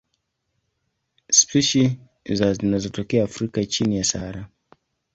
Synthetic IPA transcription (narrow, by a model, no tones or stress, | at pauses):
spiʃi | zazinazɔtɔkɛaːfɾikat͡ʃinijasaaɾa